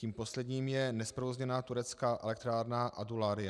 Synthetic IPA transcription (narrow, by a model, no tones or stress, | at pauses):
ciːmposlɛd̪ɲiːmjɛnɛspɾovozɲɛnaːt̪uɾɛt͡skaːʔɛ̰lɛk̚t̪ɾaːɾnaʔadulaːɾɪja